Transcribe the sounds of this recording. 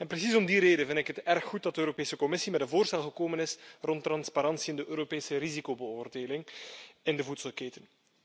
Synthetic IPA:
ɛnpɾəsisɔmdiɾeːdənvɪndɪkɦətɛrxːut̚dɑt̚dəøːɾopeːsəkɔmɪsimɛdənvoːrstɛlˠɣəkoːmənɪsrɔntːrɑnspaɾɑnsiɪndəʔøːɾopeːsəɾizikobəoːrdeːlɪŋɪndəvutsəlˠkeːtən

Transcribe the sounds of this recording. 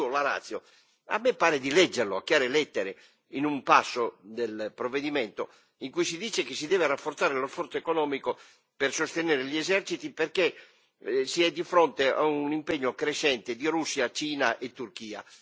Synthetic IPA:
olaɾa̰t̪sːjo | a̰mːepːaːɾed̪ilɛd͡ʒːerloa̰kːjaːɾelɛt̪ːeɾe | inumpasːod̪elpɾovːed̪imɛnt̪o | iŋkujsid̪iːt͡ʃekesid̪ɛːverafːort̪saːɾelosfɔrt̪soekonɔːmiko | persost̪enɛːɾeʎiɛzɛrt͡ʃit̪iperke | siɛd̪ːifɾont̪ea̰unimpeɲːokɾeʃɛnt̪ed̪iɾusːiat͡ʃiːnaʔet̪ːurk̟iːa̰

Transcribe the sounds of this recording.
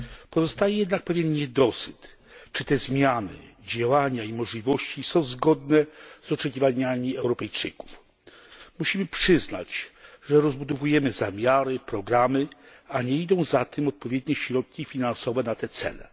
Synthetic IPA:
pɔzɔst̪ajɛjɛd̪nak̚pɛvʲjɛnɲɛd̪ɔsɘt̪ | t͡ʂɘt̪ɛzmʲjanɘ̰d͡ʑawaɲaimɔʐlʲivɔɕt͡ɕisɔ̃w̃zɡɔd̪nɛzɔt͡ʂɛkʲivaɲamʲiɛwɾɔpɛjt͡ʂɘ̰ku̥f | muɕimɘpʂɘzna̰t͡ɕʐɛɾɔzbud̪ɔvujɛmɘzamʲjaɾɘpɾɔɡɾamɘ | aɲɛid̪ɔ̃w̃zat̪ɘmɔt̪̚pɔvʲjɛd̪ɲɛɕɾɔt̪̚kʲifʲinansɔvɛnat̪ɛt̪sɛ̰lɛ̰

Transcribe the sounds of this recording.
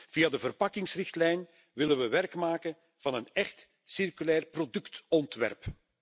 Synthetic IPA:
v̥ijadəvərpɑkɪŋsrɪxtlɛjn | ʋɪlənʋəʋɛrkmaːkən | v̥ɑnənɛxt | sɪrkylɛːrprodɵktɔntʋɛ̰rp

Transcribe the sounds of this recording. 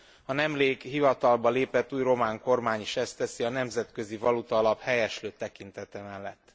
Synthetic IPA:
ɒnɛmleːkɦivɒt̪ɒlbɒleːpɛt̪ːuːjro̞maːŋko̞rmaːɲiʃɛst̪ɛsiɒnɛmzɛt̪kø̞zivɒlut̪ɒːlɒphɛjɛʃløːt̪ɛkint̪ɛt̪ɛmɛlːɛt̪ː

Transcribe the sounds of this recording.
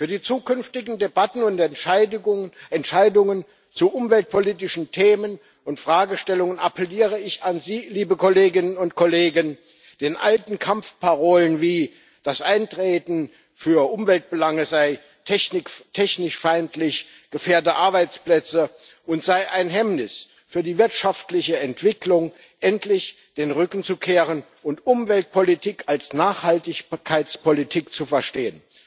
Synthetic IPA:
fyːɐdiːt͡suːkʰʏnftɪɡn̩debatn̩ʊnt | ʔɛntʃaɪdʊŋən | t͡suʔʊmvɛlt̚pʰoliːtɪʃn̩tʰeːmən | ʊntfʁ̥aːɡəʃtɛlʊŋənapʰəliːʁəɪçanziːliːbəkʰoleːɡɪnənʊntkʰɔleːɡən | d̥eːnʔa̰ltn̩kʰamfpʰaʁoːlənviː | d̥asʔaɪntʁ̥eːtn̩ | fyːɐʔʊmvɛlt̚b̥əlaŋəzaɪ | tʰɛçnɪktʰɛçnɪʃfaɪntlɪç | ɡ̥əfeːɐtəʔaɐbaɪt͡splɛt͡səʔʊntz̥aɪʔaɪnɦɛmnɪs | fyːɐdiːvɪɐtʃaftlɪçəɛntv̥ɪklʊŋ | ʔɛntlɪç | d̥eːnʁʏkn̩t͡sukʰeːʁən | ʊntʔʊmvɛlt̚pʰɔlitʰikʰalsnaːχhaltɪçkʰaɪt͡spɔlitʰiːkt͡sufɛɐʃteːən

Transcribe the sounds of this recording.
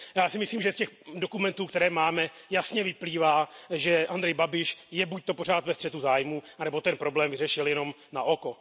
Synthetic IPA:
jaːsɪmɪsliːmʒɛscɛxdokumɛnt̪uːkt̪ɛɾɛːmaːmɛ | jasɲɛvɪpliːvaːʒɛʔand̪ɾɛjbabɪʃjɛbuc̚t̪o̞por̝aːt̪vɛst̪r̥ɛt̪uzaːjmuːanɛbo̞t̪ɛnpɾo̞blɛːmvɪrɛʃɪljɛno̞m | naʔoko̞

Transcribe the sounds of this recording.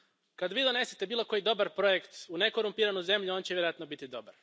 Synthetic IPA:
kad̪ʋiːd̪o̞ne̞set̪e̞biːlˠo̞ko̞jid̪o̞baɾpɾo̞je̞kt̪une̞ko̞ɾumpiːɾanuze̞mʎuo̞nt͡ɕeʋjeɾo̞jat̪nobit̪id̪o̞baɾ

